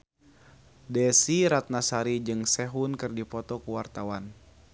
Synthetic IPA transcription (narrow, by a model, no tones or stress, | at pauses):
dɛsiɾat̪̚nasaɾid͡ʒɨŋsɛɦunkɨrdipɔt̪ɔkuwart̪awan